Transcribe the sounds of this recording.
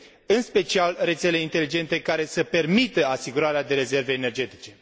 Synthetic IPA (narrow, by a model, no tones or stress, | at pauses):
ɨnspe̞t͡ʃialre̞t̪se̞le̞int̪e̞lid͡ʒe̞nt̪e̞kaɾe̞səpe̞rmit̪əasiɡuɾaɾead̪e̞ɾe̞ze̞rve̞ːne̞rd͡ʒe̞t̪i̥t͡ʃe̞